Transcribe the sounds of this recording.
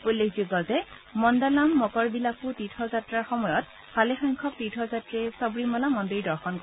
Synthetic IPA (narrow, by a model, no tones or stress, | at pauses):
ujlːekʰzuɡɔltɛ | mɔndalamːɔkɔɹbilakutitʰɔzatɹaɹxɔmɔjɔt̚ | fʰalexɔjŋkʰɔk̚tɹitʰɔzatɹɛsɔbɹimɔlamɔndɹidɔɹxɔnkɔ